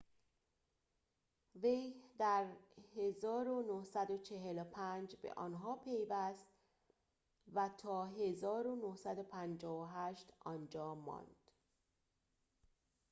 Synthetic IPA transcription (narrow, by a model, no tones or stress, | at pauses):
ve̞jd̪æɾhe̞zɒːɾonohsæd̪ot͡ʃʰe̞ɦelopʰænd͡ʒbḛʔɒ̰ːnɦɒːpʰe̞jvæst̪ | væt̪ʰɒːɦe̞zɒːɾonohsæd̪opʰænd͡ʒɒːvoɦæʃt̪ʔɒnd͡ʒɒːmːɒ̰ːnd̪̥